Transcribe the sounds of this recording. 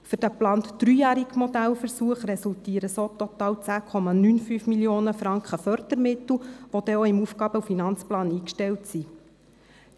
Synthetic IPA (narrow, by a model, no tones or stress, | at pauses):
fʏrd̥æplɑːntd̪̥ɾyːjæːɾiɡmɔd̪ælfəɾsuəχɾɛsult̪iːəɾəsoːt̪ɔt̪ɑːwt͡sæːkʰɔmɑnynfyːfmiljoːnəfɾɑŋkχəfœrd̪əɾmɪt̪l̩ʋɔd̪ɛɔɪmufɡɑːb̥əufinɑnt͡splɑːniːkʃtɛltsi